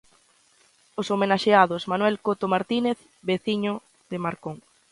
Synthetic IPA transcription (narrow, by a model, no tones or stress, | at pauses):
osomenaʃeaðosmanwɛlkot̪omaɾt̪ineθ | beθiɲo | ðemaɾkoŋ